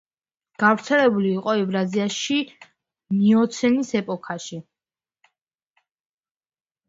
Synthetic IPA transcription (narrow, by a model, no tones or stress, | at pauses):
ɡ̥avɾt̪sʰɛlɛbuliːqʼɔɛbɾaziaʃi | miɔt̪sʰɛnisɛpʼɔkʰaʃi